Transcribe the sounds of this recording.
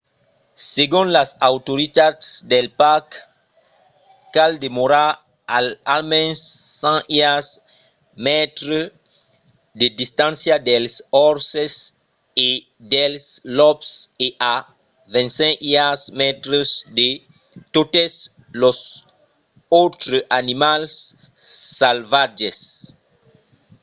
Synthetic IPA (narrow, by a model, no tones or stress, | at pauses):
seɡũnlasawt̪oɾit̪ad̪sd̪elpak | kald̪emoɾa | aalmɛ̃nsːãias | mɛt̪ɾo | d̪ed̪ist̪ãnsjad̪elsɔɾses | e | d̪ɛlslɔpseʔa | vɛ̃ntsɛ̃kiasmɛt̪ɾəsde | t̪ot̪ɛs | lɔs | ot̪ɾəʔanimalsː | alvad͡ʒɛs